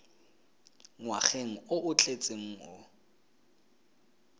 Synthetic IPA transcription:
ŋwaχeŋ̩ʊʔʊt͡ɬʰʼet͡sʼeŋ̩ʊ̰

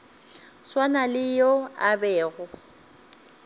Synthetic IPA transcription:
swanalɪjoabɛːɣʊ

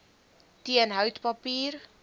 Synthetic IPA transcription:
tiənɦœwtpɐpiːr

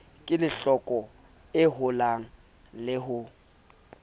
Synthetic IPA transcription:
kʼɪlɪɬɔkʼɔ | ɪɦʊlaŋ̩ | lɪɦʊ

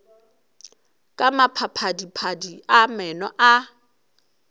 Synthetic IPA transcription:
kʼamapʰapʰadipʰadiamɛnɔʔa

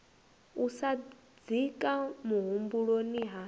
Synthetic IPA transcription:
usa | d͡zikʼamuɦumbuɺoniɦa

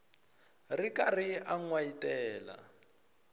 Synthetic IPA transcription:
rikariaŋwajitɛːla̰

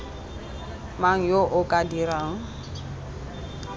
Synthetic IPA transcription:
maŋ̩joʔʊkʼadiɾaːŋ̩

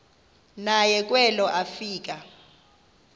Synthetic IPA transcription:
najɛk̬ʼwɛlɔʔafiːk̬ʼa

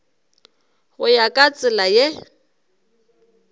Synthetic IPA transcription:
ɣʊjakʼat͡sʼɪlaje

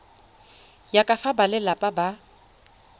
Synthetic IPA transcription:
jakʼafabalɪlapʼaba

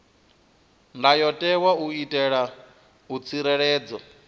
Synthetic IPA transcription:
ndajɔtʼɛwauitʼɛɺa | ut͡sʰiɾɛɺɛːd͡zɔ

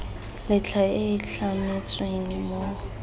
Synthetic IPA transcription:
lɪt͡ɬʰaɪɬamɪt͡sʼweŋimo

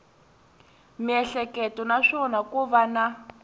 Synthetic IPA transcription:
miɛɬɛkɛtɔnaʂɔnakuβana

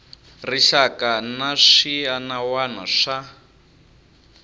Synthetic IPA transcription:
riʃakanaʂianawanaʂa

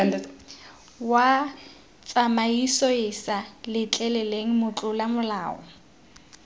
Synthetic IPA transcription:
wa | t͡sʼamaisɔɪsalɪt͡ɬʼɛlɛleŋ̩mʊt͡ɬʼʊlamʊlaːɔ̰

